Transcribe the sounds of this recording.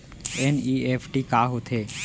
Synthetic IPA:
eniepʰʈikaɦot̪ʰe

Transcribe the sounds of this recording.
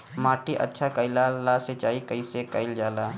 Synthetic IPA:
maːʈiʔə̰tːʃʰakəɪlalaset͡ʃaːikəisekəɪld͡ʒaːlaː

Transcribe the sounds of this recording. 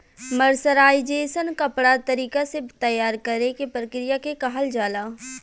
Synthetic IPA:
məɾsəɾaːid͡ʒeːsənkɐpɽat̪ɐɾiːkaset̪ɐjːaːɾkəɾekepɾəkɾijakekɐɦəld͡ʒaːlaː

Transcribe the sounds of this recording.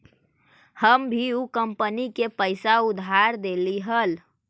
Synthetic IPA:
həmbʱiukəmpənikepəɪsaud̪ʱaɾd̪eliɦəl

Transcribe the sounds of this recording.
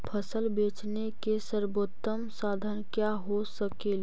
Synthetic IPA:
pʰəsəlbeːt͡ʃnekesəɾboːt̪ːəmsaːd̪ʱənkjaɦosəkel

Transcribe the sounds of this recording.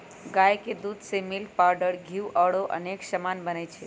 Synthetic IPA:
ɡajked̪ud̪ʱsemil̚paɾɖəɾɡʱiuʔəɽoʔə̰neksəmanbənɛt͡ʃʰɛ

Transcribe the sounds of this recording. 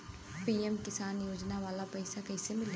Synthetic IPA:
piːɛmkɪsaːnjoːd͡ʒnaʋaːlapɛɪsakɛːɪsemɪl

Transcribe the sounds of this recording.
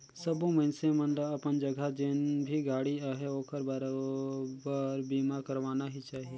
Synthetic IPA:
sɐbõmɐɪnsemə̃nd̪əɐpənd͡ʒɐɡʱad͡ʒenbʱiɡaːɽiaɦeoːkəɾbɐɾabəɾbiːmakɐɾʋaːnaɦit͡ʃaːɦieː

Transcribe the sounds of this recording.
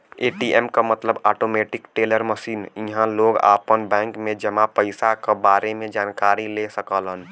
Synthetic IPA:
eːʈiemkamət̪ləbaːʈomeʈɪkʈeləɾməsiːniɦãloɡa̰pənbɛ̃ːŋkmẽd͡ʒəmapəɪsakabaːɾemed͡ʒaːnkaɾilesəkəlɦən

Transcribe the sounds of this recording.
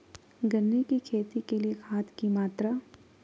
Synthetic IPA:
ɡɐnːekikʰeːt̪ikeliekʰaːt̪ʰkimaːt̪ɾa

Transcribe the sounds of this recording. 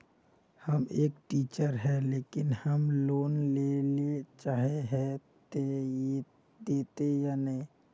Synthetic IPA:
həmeːkʈiːt͡ʃəɾɦɛleːkɪnhəmloːnlelet͡ʃaːɦeɦɛt̪e | d̪eːt̪ejaːnəɦĩ

